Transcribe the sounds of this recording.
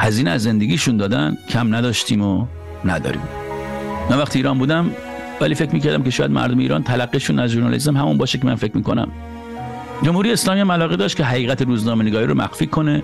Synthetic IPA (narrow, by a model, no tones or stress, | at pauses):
hæziːneæzːe̞nd̪eɡʲiːʃund̪ɒːd̪æncʰæmnæd̪ɒːʃt̪ʰiːmo | næd̪ɒ̰ːɾḭːm | mænvæxt̪iːɾɒːnbuːd̪æm | væliːfe̞kmiːkæɾd̪æmkʲe̞ʃɒːjæd̪mæ̰ɾd̪omeḭːɾɒ̰nt̪ʰælæɡːiːʃunæzʒuɾnɒ̰lḭst̪emɦæmunbɒːʃekʲemæ̰nfe̞kʰmiːko̞̰næ̰m | d͡ʒomhuːɾijeeslɒːmiːæmælɒːɣed̪ɒːʃt̪kʰʲeɦæʁiːɣæt̪ʰeɾuːznɒːmeneɡɒːɾiːɾo̰mʔæ̰xfiːkʰo̞ne̞